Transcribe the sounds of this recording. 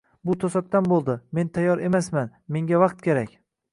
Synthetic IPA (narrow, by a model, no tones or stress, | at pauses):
bʊt̪ʰosat̪̚t̪anbolˠd̪ɪme̞nt̪ʰajːɒɾe̞masmanme̞ŋɡʲavɑqt̪̚kʲʰe̞ɾakʲ